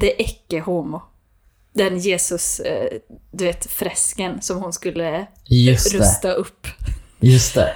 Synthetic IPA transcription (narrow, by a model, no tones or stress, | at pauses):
d̪ɛʔɛkːəhuːmʊ | d̪ɛnjeːsɵs | d̪ɵveːt̪fɾɛskənsɔmhʊnskɵlːə | jɵsɾɵst̪aʔɵpːjɵst̪ɛ̰